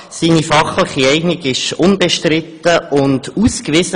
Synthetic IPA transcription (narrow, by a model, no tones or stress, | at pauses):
siːnifɑχləχiɛɪɡnɪɡɪʃʊnbeʃtrɪtːəʔʊnduskvɪsə